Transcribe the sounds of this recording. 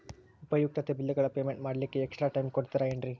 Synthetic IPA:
upɐjuk̚ʈ̪ɐt̪ebilːɐɡɐɭɐpe̞ːmeɳʈmaːɽɐlikːeːksʈɾaːʈɐjmkoɽt̪iɾɐeɳɖɾi

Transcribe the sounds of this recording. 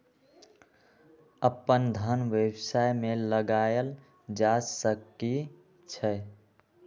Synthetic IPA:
əpːənd̪ʱənʋebsajmeləɡajəl | d͡ʒasəkːi | t͡ʃʰɛ

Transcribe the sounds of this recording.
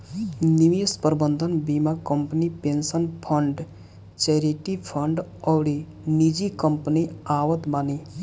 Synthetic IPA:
niʋispəɾbənd̪ʱənbiːmakɐmpnipensənpʰəɳɖ | t͡ʃeɾeʈipʰəɳɖɔwɾi | nid͡ʒikəmpniaːʋət̪baːni

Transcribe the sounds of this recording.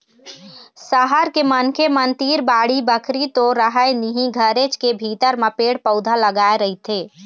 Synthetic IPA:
səɦəɾkemənkʰemənt̪iːɾbaːɽibəkʰɾit̪oɾəɦəjniɦĩɡʱəɾet͡ʃkebʱit̪əɾməpeɽpəʊd̪ʱaləɡaeɾəɦit̪ʰe

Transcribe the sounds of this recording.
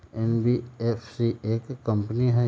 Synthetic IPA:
ɛnbiefsieːkːə̃mpniɦɛ

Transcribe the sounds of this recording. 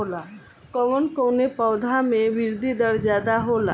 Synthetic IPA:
ola | kəʋənkoːnepɔːd̪ʱamẽʋɪɾd̪ʱid̪əɾd͡ʒaːd̪aɦoːla̰

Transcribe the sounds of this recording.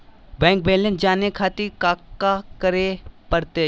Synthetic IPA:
bɛ̃ːŋk̚beːlẽnd͡ʒaːnekʰaːt̪ikaːkːakəɾepəɾt̪e

